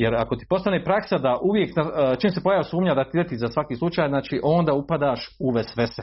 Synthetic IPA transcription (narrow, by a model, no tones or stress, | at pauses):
jeɾako̞t̪i̥po̞st̪aneːpɾaksad̪aʔuʋjekt̪nat͡ʃiːmsepojaʋsuːmɲad̪at̪id̪et̪izasʋakiːslˠut͡ʃaːjznaːt͡ʃiːʔo̞nd̪aupad̪aːʃuʋesʋese